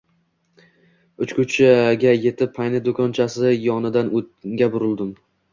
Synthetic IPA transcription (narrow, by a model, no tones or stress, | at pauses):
ʊt͡ʃkʰʊt͡ʃʰaɡʲaje̞t̪ʰɪpʰːajnɪd̪okʰɒnt͡ʃʰasɪjɒnɪd̪anʔot̪̚ɡʲabʊɾɪlˠd̪ɪm